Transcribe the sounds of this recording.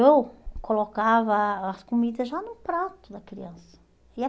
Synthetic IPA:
ewkolokavɐɐskomid̪ɐzʒanʊpɾat̪ʊd̪ɐkɾiɐ̃sɐ̥ | ɪ

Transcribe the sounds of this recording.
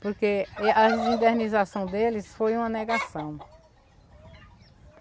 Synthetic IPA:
poɾkeeʔɐzĩd̪eɾnizasɐ̃w̃d̪elɪsfojũmɐnɛɡasɐ̃w̃

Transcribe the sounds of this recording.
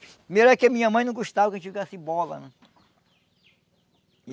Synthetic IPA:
melɛkɪɐmĩɲɐmɐ̃j̃nɐ̃w̃ɡoʃt̪avɐkɐʒẽt͡ʃifiɡasibɔlɐ̰nɐ̃

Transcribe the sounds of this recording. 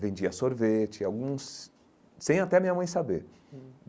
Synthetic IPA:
vẽd͡ʒiɐsoɾvet͡ʃɪawɡũs | sẽj̃at̪ɛɐmĩɲɐmɐ̃j̃sabeɾ

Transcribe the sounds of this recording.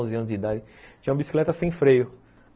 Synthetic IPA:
zɪɐ̃nʊzd͡ʒɪid̪ad͡ʒɪt͡ʃĩɲũɐbisi̥klɛt̪ɐsẽj̃fɾejʊ

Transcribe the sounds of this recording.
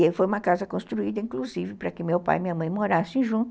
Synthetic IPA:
elfojũmɐkazɐkõst̪ɾuid̪ɐĩŋkluzivɪpɾɐkɪmewpa̰jmĩɲɐmɐ̃j̃moɾasẽʒũt̪

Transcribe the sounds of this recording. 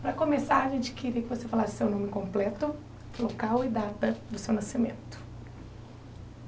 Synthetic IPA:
pɾɐkõmesaɾɐʒẽnt͡ʃɪ̥kɪɾiɐkɪvosefalasʊ̥sewnõmɪkõmplɛt̪ʊ | lokawɪd̪at̪ɐd̪ʊsewnasimḛ̃nt̪ʊ̥

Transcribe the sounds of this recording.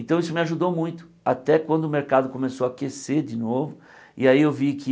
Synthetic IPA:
ẽnt̪ɐ̃w̃isʊmɪaʒud̪owmũj̃t̪ʊ̥ | at̪ɛkwɐ̃nd̪ʊmeɾkad̪ʊkomesowakɾeseɾd͡ʒɪnovʊ | ɪaiewvikɪ

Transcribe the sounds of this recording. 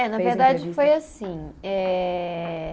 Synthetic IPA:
ɛnɐveɾd̪ad͡ʒɪfojasĩɛ

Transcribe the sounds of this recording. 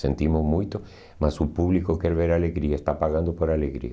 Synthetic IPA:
sḛ̃nt̪imozmujt̪o | masupuβlikokeɾβeɾaleɣɾiaest̪apaɣãnd̪opoɾaleɣɾḭ

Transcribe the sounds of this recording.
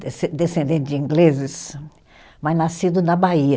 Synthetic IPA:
sd̪esẽnd̪ẽnt̪ɪd͡ʒĩŋɡlezɪs | majnasid̪ʊnɐbaiɐ

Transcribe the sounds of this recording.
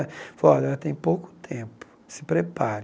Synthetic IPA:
fɔɛlɐt̪ẽj̃powkʊ̥t̪ʰẽpʊ̥sɪ̥pɾepaɾ

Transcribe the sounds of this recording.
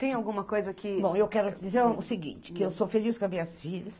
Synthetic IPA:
t̪ẽj̃awɡũmɐkojzɐkɪbõw̃ewkɛɾʊd͡ʒizeɾʊsɪɡḭ̃nt͡ʃɪ̥kɪewsofeliskõmĩɲɐsfiʎɐs

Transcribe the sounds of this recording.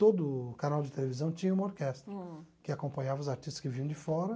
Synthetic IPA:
t̪od̪ʊkanawd͡ʒɪt̪elevizɐ̃w̃t͡ʃĩɲɐũmoɾkɛst̪ɾɐkɪakõpɐ̃ɲavɐʊzaɾt͡ʃist̪ɐ̥skɪvĩɲɐ̃d͡ʒɪfɔɾɐ

